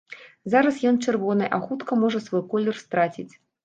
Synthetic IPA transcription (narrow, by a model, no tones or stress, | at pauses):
zaɾɐsjɔnt͡ʂɛrvɔnɨʔaxut̪kɐmɔʐɐsvɔjkɔlʲːɛrst̪ɾat͡sʲit͡sʲ